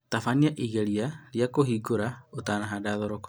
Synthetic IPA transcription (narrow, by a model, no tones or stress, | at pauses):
t̪afaniaʔiɣɛɾiaɾiakoɦiɡoɾaotanaɦadaðɔɾɔk